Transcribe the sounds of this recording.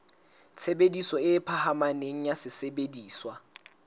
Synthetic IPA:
t͡sʰebedisɔɪpʰahamaneŋ̩jasɪsebediːswa

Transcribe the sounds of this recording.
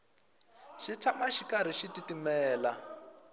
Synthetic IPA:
ʃit͡sʰamaʃikaɾ̤iʃititimɛːla

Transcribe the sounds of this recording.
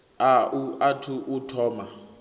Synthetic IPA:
auatʰuʔutʰɔːma

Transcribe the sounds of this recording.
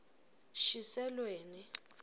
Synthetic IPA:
ʃisɛlweːni

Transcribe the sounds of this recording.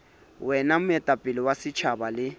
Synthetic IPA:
wɛnam̩ɛtʼapʼɪlɪwasɪt͡ʃʰabalɪ

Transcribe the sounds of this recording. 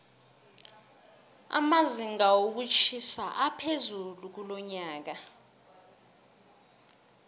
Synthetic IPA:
a̰maziŋawok̬ut͡ʃʰisaʔapʰezuluk̬ulɔɲaːk̬a

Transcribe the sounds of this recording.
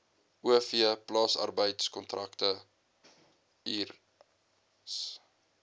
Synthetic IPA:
ʔuəfiəplɑːsɐ̰rbəjtskɔntrʔɐktə | ir | s

